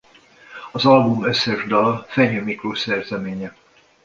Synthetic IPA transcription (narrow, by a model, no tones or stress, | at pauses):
ɒzɒlbumøsːɛʒd̪ɒlɒfɛɲømikroːsɛrzɛmeːɲɛ